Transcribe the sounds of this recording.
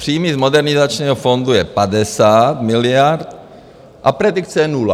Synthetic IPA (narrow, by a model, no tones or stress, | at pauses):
pr̥iːmizmodɛɾnɪzat͡ʃɲɛːɦɔfond̪ujɛpad̪ɛsaːt̪mɪlɪjaɾt̪ | ʔapɾɛd̪ikt͡sɛɛnula̰